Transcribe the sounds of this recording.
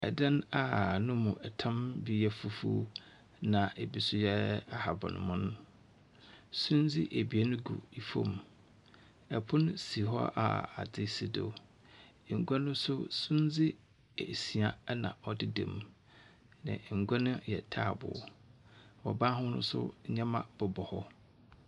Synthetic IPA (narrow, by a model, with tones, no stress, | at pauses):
ɛ̰˨dã˦na˨nʊ̃˦mũ˨ʔɛ˨tʰã˦mbi˦jɛ˦fu˨fṵ˦ | nã˨ʔe˨bi˦sʊ˦jɛ˦a˨ha˨bɔ̰˨nʊ̰̃˨mʊ̃˦nʊ̃˦ | sũ˦n˦d͡zɪ˦ʔe˨bi˨e˦nʊ̃˦ɡṵ˨i˨fõ̰˦m˨ | ɛ˨pʰʊ̃˦nʊ̃˦si˨ɦɔ̰˦ʔa̰˨a˨dɪ˦sɪ˨do̰˨˦˨ | ŋ̩˨ɡʷa˦nʊ̃˦sʊ˦sũ˦n˦d͡zɪ˦˨ | si˨a˨˦nã̰˨ɔ˦dɪ˦dɛ̰̃˨m˨ | nã̰˨ŋ̩˨ɡʷa˦nʊ̃˦jɛ˨tʰaː˦˨bʊ̰˨ | wɔ̰˨bãː˦ɦʊ̃˦nʊ̰̃˦sʊ̰˦ɲã˦mã̰˦b̥ʊ˨bɔ˨hɔ˦